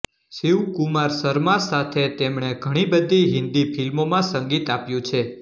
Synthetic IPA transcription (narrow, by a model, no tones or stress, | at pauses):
siwkumaɾsəɾmãsat̪ʰet̪emɳ̃eɡʱəɽ̃ibəd̪ʱiɦɪ̃nd̪ifilmomãsə̃ŋɡit̪apjũt͡ʃʰe